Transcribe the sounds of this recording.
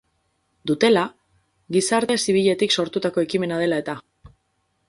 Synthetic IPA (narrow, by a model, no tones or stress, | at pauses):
d̪ut̪e̞la | ɣisaɾt̪e̞siβiʎe̞t̪ikso̞ɾt̪ut̪ako̞e̞kime̞nað̞e̞lae̞t̪a